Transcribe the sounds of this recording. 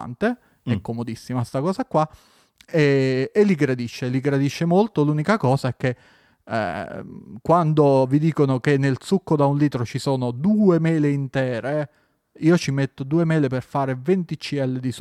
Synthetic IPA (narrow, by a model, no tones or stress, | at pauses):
nt̪e | ɛkːomod̪isːimast̪akɔːzakːwa | ɛːlːiɡɾad̪iʃːeliɡɾad̪iʃːemolt̪oluːnikakɔːzaɛk̟ːḛ | kwand̪ovid̪iːkonok̟enːelsukːod̪aunliːt̪ɾot͡ʃisoːnod̪uːemɛːleint̪ɛːɾe | iːot͡ʃimet̪ːod̪uːemɛːleperfaːɾevent̪it͡ʃːiɛlːed̪is